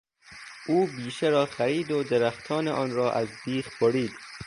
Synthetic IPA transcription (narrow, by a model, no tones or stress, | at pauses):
ʔuːbiːʃeɾɒːxæɾiːd̪od̪eɾæxt̪ʰɒːneʔɒːnɾɒːʔæzb̪iːxboɾiːd̪